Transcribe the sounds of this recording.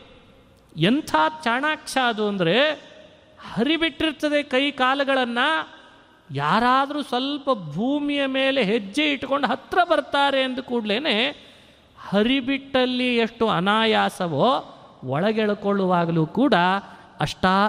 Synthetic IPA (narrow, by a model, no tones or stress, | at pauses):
ent̪ʰaːt͡ʃaːɳaːkʂaɐd̪uɐnd̪ɐɾe̞ | hɐɾibiʈːiɾt̪ːɐd̪e̞kɐjkaːlɐɡɐɭɐnːɐ | jaːɾaːd̪ɐɾuːsʋɐlpɐbʱuːmijɐme̞ːle̞ɦed͡ʒːeiʈːko̞ɳɖuɦɐt̪ɾɐbɐɾt̪aːɾe̞ːnd̪ukuːɽleːne | hɐɾibiʈːɐlːieʂʈuɐ̰naːjaːsɐʋoː | ɔɭɐɡɛɭɐkoɭːuʋaːɡɐluːkuːɽɐ | ɐʂʈaː